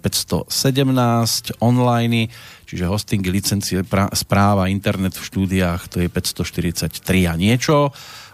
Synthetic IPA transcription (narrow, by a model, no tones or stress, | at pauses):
pɛcst̪ɔ̰sɛɟɛmnaːscɔnlajnit͡ʃiʒɛɦɔst̪iŋɡilit͡sɛnt͡siɛpaspɾaːʋaint̪ɛɾnɛt̪fʃt̪uːd̪iaːxt̪ɔjɛpɛcst̪ɔʃt̪iɾit͡sact̪ɾiaɲɪɛt͡ʃɔ